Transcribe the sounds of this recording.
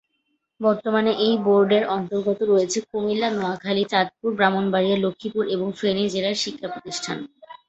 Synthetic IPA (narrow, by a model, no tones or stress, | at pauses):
bɔɾt̪omaneʔejboɾɖeɾɔnt̪oɾɡɔt̪oɾojet͡ɕʰekomilːanɔakʰalit͡ɕad̪̚puɾbɾamonbaɾieɾlokʰːipuɾeboŋfɾenid͡ʑeɾaɾʃikʰːapɾot̪iʃʈʰan